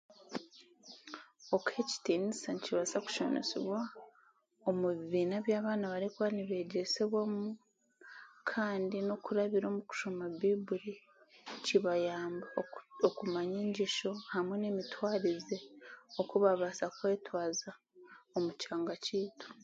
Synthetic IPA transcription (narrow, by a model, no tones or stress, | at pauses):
o̞kʰe̞ci̥tiːnisaniciβasaku̥ʃo̰no̰siβwa | omuβiβiːnaβjaːβaːnaβaɾekwaniβe̞ːɟe̞seβwamu | kʰaːndino̞kuɾaβiɾo̞ːmuku̥ʃomaβibuɾi | ciβajaːmbaokumaɲeːɲɟiʃo̞hamwe̞ne̞mitwaːɾize̞okuβaβasakwe̞ːtwaːza | omucaːŋɡaciːtu̥